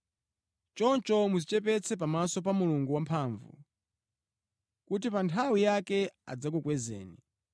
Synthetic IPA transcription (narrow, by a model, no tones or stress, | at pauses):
t͡ʃɔnt͡ʃɔmuzit͡ʃɛp̬ɛt͡sʰɛp̬amasɔp̬amuluŋɡuwampʰaɱvṵ | kut̬ipantʰawijakɛa̰d͡zak̬ukwɛzɛ̰ːni